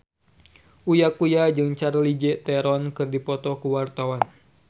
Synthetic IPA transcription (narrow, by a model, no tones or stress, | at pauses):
ʔujakujad͡ʒɨŋt͡ʃaɾlid͡ʒɛʔt̪ɛɾɔnkɨrdipɔt̪ɔkuwart̪awan